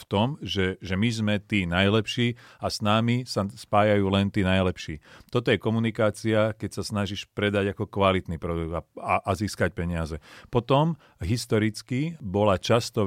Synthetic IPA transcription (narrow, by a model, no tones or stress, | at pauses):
ft̪ɔmʒɛʒɛmizmɛt̪iːnajlɛpʃiːasnaːmisaspaːjajuːlɛnt̪iːnajlɛpʃḭːt̪ɔt̪ɔjɛkɔmunikaːt͡siakɛcsasnaʒiʃpɾɛd̪aɟakɔkʋalit̪niːpɾɔd̪uɡd̪aaʔaziːskac̚pɛɲɪazɛpɔt̪ɔm | ɦist̪ɔɾit͡skibɔlat͡ʃast̪ɔ